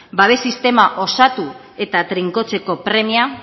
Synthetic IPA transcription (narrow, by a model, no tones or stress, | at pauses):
baβe̞sist̪e̞maʔo̞sat̪u | e̞t̪at̪ɾiŋko̞t͡se̞ko̞pɾe̞mia